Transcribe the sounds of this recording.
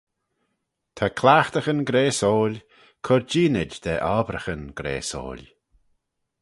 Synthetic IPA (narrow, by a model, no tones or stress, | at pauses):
t̪ʰakʰlaːxt̪əxənɡɾeːsoːlʲ | kʰʊɾd͡ʒiːnɪd͡ʒd̪ɛʔaːbɾəxənɡ̥ɾḛːso̰ːlʲ